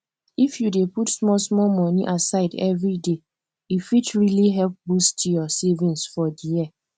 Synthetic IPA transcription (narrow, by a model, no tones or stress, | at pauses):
ifjudeputsmɔlsmɔlmɔ̃niʔasaɪdɛ̰vɹide | ifitɹiliɦɛlp̚bustjɔsɛvĩnsfɔdijia